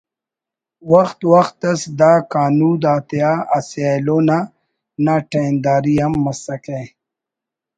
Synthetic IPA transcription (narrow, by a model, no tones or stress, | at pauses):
wɐxt̪wɐxt̪ɐsd̪aːkaːnuːd̪aːt̪jaːɐsaloːna | naʈeːnd̪aːɾiɐmːɐsɐkẽ